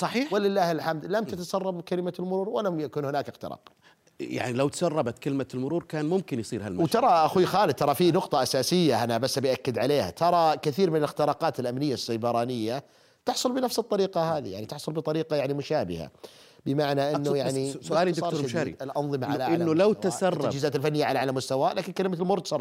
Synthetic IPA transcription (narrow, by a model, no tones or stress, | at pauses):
sˤɑħiːħwɪlɪlːaːhɪlħamd̪lamtt̪at̪asɑrˤːɑbkalɪmalmʊɾuːɾwɪlamjakuːnhʊnaːkʔɪxt̪ɪ̰ɾɑ̰ːq | ja̰ʕnilawt̪ḁsɑrˤːɑbat̪kɪlmalmʊɾuːɾkaːnmʊmkɪnjsˤiːɾhalmwt̪ɑɾˤɑʔaxuxaːlɪd̪̚t̪ɑɾˤɑfinʊqt̪ˤɑʔasaːsɪjːaʔanabasːabijʔakːɪd̪ʕaleːha̰t̪ʰɑɾˤɑkɪθiːɾmɪnɪlɪxt̪ɪɾɑːqɑːt̪ɪlʔamnɪjːasːajbɑɾˤɑːnɪjːa | t̪ɪħsˤʊlbɪnafsɨt̪ˤːɑɾiːqɑhaːðḭjaʕnit̪ɪħsˤʊlbɨt̪ˤɑɾiːqɑjaʕnimʊʃaːbɪ̰ha̰bɪmaʕnaʔɪnːujaʕnisʊʔaːliˤːɾɾʃaːɾḭlʔɑnðˤɨmaʕalaʕʔɪnːʊlawtt̪asɑrˤːaɑd͡ʒiːzaːt̪ɪlfanːɪjaʕalaʕalamʊst̪awaːlaːkɪnkalɪmat̪ɪlmʊɾuːɾt̪sɑrˤ